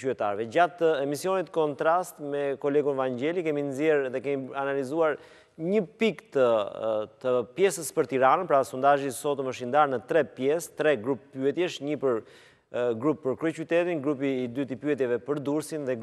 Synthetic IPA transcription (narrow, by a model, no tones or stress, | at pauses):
yɛt̪aɾvɛd͡ʑat̪əɛmisiɔnit̪kɔnt̪ɾast̪mɛkɔlɛɡunɛvaɲɟɛlikɛminzjɛɾðɛkɛmianalizuaɾ | ɲəpikt̪ət̪əpjɛsəspəɾt̪iɾanənpɾasund̪aʒisɔt̪ɔməʃind̪aɾnət̪ɾɛpjɛst̪ɾɛɡɾupːyɛt̪jɛʃɲipəɾ | ɡɾupːəɾkɾut͡ɕyt̪ɛt̪inɡɾup̬iːd̪yt̪ipyɛt̪jɛvɛpəɾd̪uɾsinðɛɡ